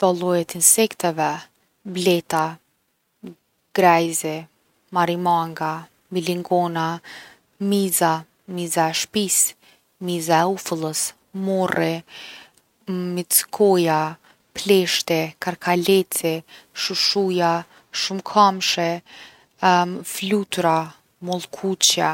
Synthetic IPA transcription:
d̪̥ɔlˠɔjɛt̪insɛkt̪ɛvɛ | blɛt̪a | ɡ̥ɾɛjzɛ | maɾimaŋɡa | miliŋɡɔna | miza | mizaɛʃpis | mizaɛufəlˠəs | mɔrɛ | mit͡skʰɔja | plɛʃt̪ɛkaɾkʰalɛt͡sɛʃuʃuja | ʃumkʰamʃɛ | flut̪ɾa | mɔlˠkʰut͡ɕja

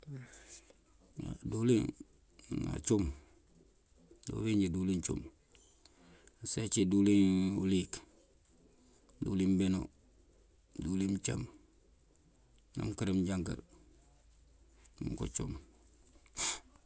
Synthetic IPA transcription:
a̰duliŋ | na̰t͡ʃum | dṵwiɲɟidulint͡ʃṵm | set͡ʃidulinṵlik | dṵlimbeno | dulimt͡ʃam | na̰mkiɾimɟaŋka̰l | mṵŋko̰t͡ʃum

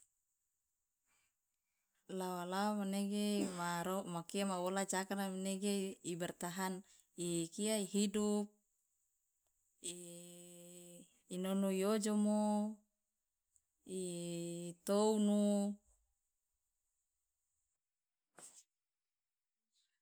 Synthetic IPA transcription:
lawalaomaneɡemaɾomakiamawolad͡ʒakanamaneɡeibɛrt̪aɦan | ikiaiɦidup̚ | i | nonuiod͡ʒomo | i | t̪ounu

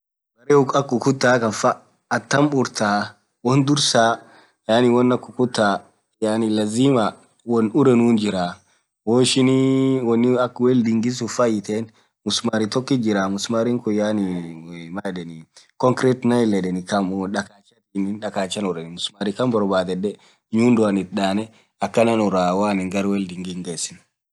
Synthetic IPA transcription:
bɐɾeɐkːʊkʊt̪ːaːkɐnfaː | t̪ːɐmbʊɾt̪aː | wɔnd̪ʊɾsaː | jaːnɪwɔnːɐkːʊkʊt̪ːaː | jaːnɪlɐziːma | wɔnʊɾɛnuːnd͡ʒɪɾa | woːɪʃɪnwɔnːɪɐkwɛld̪ɪŋɡɪs̬ʊfɐjɪt̪eːn | mʊsmaɾit̪ɔkːid͡ʒɪɾaːmʊsmaɾiŋkʊjaːnimɐdɛnikɔŋkɾɛt̪nɐjlɛᶑɛnɪkɐmᶑɐkaːt͡ʃːɐt̪iːnɪnᶑɐkaːt͡ʃːɐnʊɾɛnmʊsmaɾikɐmbɔɾbaːd̪ɛd̪ɛ | ɲuːnd̪ʊɐnɪt̪̚ɗaːnɛ | ɐkːɐnɐnʊɾaːwaːnɪŋɡɐɾwɛld̪ɪŋɡɪŋɡeːsɪn

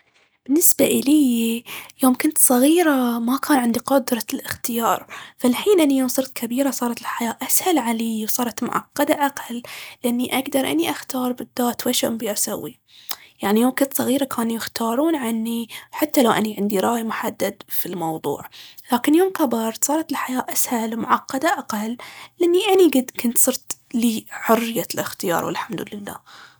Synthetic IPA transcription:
b̥ɪnːɪsbaʔɪlij | joːmkʊnt̪sˤɑɣiːɾamakʰaːnʕɪnd̪iqʊd̪ɾˤɑlɪxt̪ɪjɑːɾˤfalħiːnʔɪnːijoːmsˤɨɾt̪kʰabiːɾasˤɑːɾˤɑt̪ɪlħajaːʔashalʕaliːwsˤɑːɾˤɑt̪mʊ̰ʕɑ̰qːɑd̪aʔaqɑlːɪʔanːiʔaɡd̪ɑɾˤʔa̰nːiʔaxt̪ɑːɾˤbɪd̪ːaːt̪waʃaʔʊmbiʔasawːi | jaʕnijoːmkɪnt̪sˤɑɣiːɾakʰaːnujɪxt̪ɑːɾˤuːnʕanːiħat̪ːalawʔa̰niʕɪnd̪iɾˤɑːjmʊħad̪ːad̪filmɑwðˤṵːʕlaːkɪnjoːmkabɑɾˤsˤɑːɾˤɑt̪ɪlħajaːʔashalwmʊ̰ʕɑqːɑd̪aʔaqalːlːʔanːiʔaniɡad̪kʊnt̪sˤɨɾt̪liːħʊrːɪjalɪxt̪ɪjɑ̰ːɾˤwɪ̰lħamd̪ʊlɪlːa̰ː

